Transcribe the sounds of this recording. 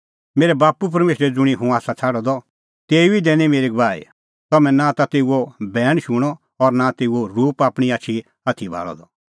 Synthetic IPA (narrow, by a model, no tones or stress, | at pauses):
meːɾebaːpup̬ɐɾmeːʃɾɛd͡zʊɽ̃iɦũaːsat͡sʰaːɽɔd̪ɔ | t̪eːuid̪ɛ̃ːnimeːɾiɡʋaːḭ | t̪ɔmɛ̃nãt̪at̪eːuobʱɛːɽ̃ʃuɽ̃ɔ | ɔɾnat̪eːuoɾuːpaːpɽ̃iaːt͡ʃʰi | at̪ʰibʱa̰ːlɔ̰d̪ɔ